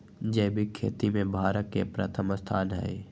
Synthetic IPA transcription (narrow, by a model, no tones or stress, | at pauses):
d͡ʒɛːbʱikʰḛːt̪imẽbʱaːɾət̪̚kepɾə̰t̪ʰəməst̪ʰaːnɦɛ̰ː